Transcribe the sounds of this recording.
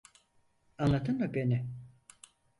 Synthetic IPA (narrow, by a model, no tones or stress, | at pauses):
anlˠat̪ʰɯnd̪abenɪ